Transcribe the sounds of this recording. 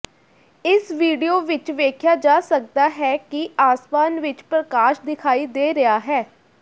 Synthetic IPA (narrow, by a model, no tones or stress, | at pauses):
ɪsʋiːɖioːʋɪt͡ʃʋeːkʰjaːd͡ʒaːsək̚d̪aːɦɛːkɪʔaːsmaːnʋɪt͡ʃpɾəkaːʃd̪ɪkʰaːiːd̪eːɾəaːɦɛː